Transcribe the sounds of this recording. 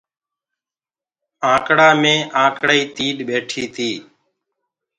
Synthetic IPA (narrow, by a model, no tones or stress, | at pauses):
ãːkɽaːmẽːʔãːkɽaːiːt̪iːɗɓeːʈʰiːt̪ʰiː